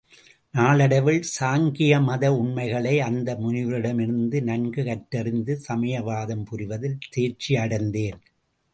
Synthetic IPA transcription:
naːlɐɽɐʋɪɭsaːŋɡɪjɐmɐðɐʊɳmɐɪɣɐɭɐɪɐnd̪ɐmʊnɪʋɾɪɽɐmɪɾɯnd̪ɯnɐnɡɯkɐʈːɐɾɪnd̪ɯsɐmɐjɐʋaːðɐmpʊɾɪʋɐðɪlt̪eːɾt͡ʃiɐɽɐnd̪eːn

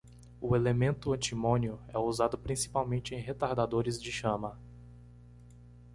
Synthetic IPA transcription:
ʊelemẽnt̪ʊɐ̃t͡ʃimõnjʊɛuzad̪ʊpɾĩsi̥pawmẽnt͡ʃɪẽj̃ɦet̪aɾd̪ad̪oɾɪzd͡ʒɪʃɐ̃mɐ

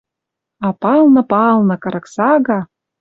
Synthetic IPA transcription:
ɑpɑlˠnɤ̆pɑlˠnɤ̆kɤ̆ɾɤ̆ksɑɣɑ

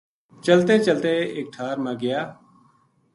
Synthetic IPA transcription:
t͡ʃəlt̪eːt͡ʃəlt̪eːeːk̚ʈʰaːɾmãːɡɪjaː

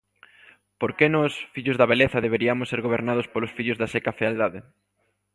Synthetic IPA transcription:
poɾkenɔsfiʎʊzðɐβeleθɐðeβeɾiamʊsːeɾɣoβ̞eɾnað̞ʊspolʊsfiʎʊzðasekafeald̪aðe

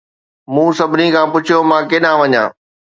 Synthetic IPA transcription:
mũːsɐbʱɪnikʰãːpʊt͡ɕʰijomãːkɪɗãʋɐɲã̰ː

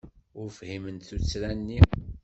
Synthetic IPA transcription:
ʊɾfhimənt̪θut͡sːɾænːi

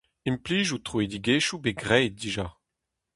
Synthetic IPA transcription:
impliːʒut̪χued̪iɡeːʃubeɡʁɛːt̚diʒa

